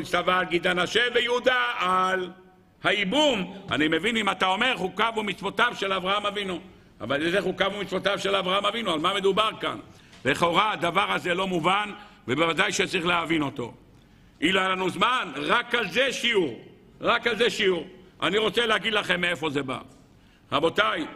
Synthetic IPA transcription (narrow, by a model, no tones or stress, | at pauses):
istavaːlɡid̪anaʃe̞vejeud̪aal | haibuma̰nime̞vinimat̪ao̞me̞ʁχukavumit͡svo̞t̪avʃe̞lavʁahamavinu | a̰valezeχukavumitt͡svo̞t̪avʃelavʁaamavinualmame̞d̪ubaʁka̰n | leχo̞ʁad̪avaʁhazelo̞muvanvebevadajʃet͡saʁiχleavino̞t̪o̞̰ | ʔilalanuzmanʁakalze̞ʃiuʁ | ʁakalzeʃiuʁʔa̰niʁo̞t͡seleaɡid̪laχe̞mːeefo̞ze̞ba̰ | ʁabo̞t̪aj